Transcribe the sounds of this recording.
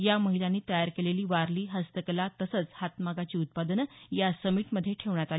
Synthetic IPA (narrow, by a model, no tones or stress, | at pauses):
jaməɦilanːiːt̪əjaɾkeleliːʋaɾliːɦəst̪əklat̪əsət͡shat̪maɡat͡ɕiːut̪̚pad̪ənjasəmiʈməd̪ʱːjeʈʰeʋɳjat̪ali